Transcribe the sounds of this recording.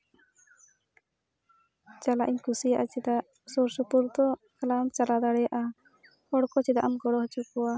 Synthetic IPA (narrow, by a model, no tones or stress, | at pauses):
t͡ʃalaʔiɲkusijaʔat͡ʃid̪aʔ | sɔɾsɔpuɾt̪ɔ | kalamt͡ʃalad̪aɽɛjaʔa | ɔɽkɔt͡ʃid̪aʔamɡɔɽɔɦt͡ʃukɔwa